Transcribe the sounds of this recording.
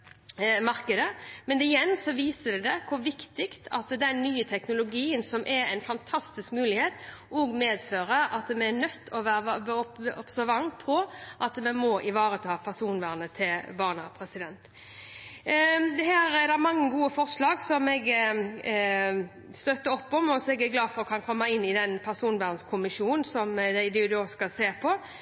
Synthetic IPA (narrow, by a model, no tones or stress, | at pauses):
mɑɾkəd̪əmɛnɪjɛnːsɔʋiːsəd̪ɛd̪ɛkʰʊɾʋɪkt̪ɪkt̪ʰɑt̪d̪ɛnːyːət̪ʰɛknʊlʊɡiːənsɔmʔɛɾæ̰ɪnfɑnt̪ʰɑst̪ɪskmʉːlɪheːt̪ʔɔɡmeːd̪føːɾəʔɑt̪mɛɛnœt̪ːɔʋæːɾbɔɔpsæɾʋɑŋpʰɔʔɑt̪mɛnmɔʔɪʋɑːɾət̪ʰɑːpʰæʁsuːnʋæːʁnət̪ʰɪlbɑːʁnəpʰɾɛsɪd̪ɛnt̪ | d̪ɛhæːɾɛɾd̪æmɑŋːəɡuːəfɔɾʂlɑːɡsɔmɛɡ | st̪œt̪ːəɾɔpːɔmɔsɔɛɡæɡlɑːd̪fɔɾɔkʰɑnkʰɔmːɑɪnːɪd̪ɛnpʰæʁsuːnʋæːʁnskʰʊmɪʂuːnn̩sɔmd̪æɪd̪ɛd̪ʉoskɑseːɾpʰɔ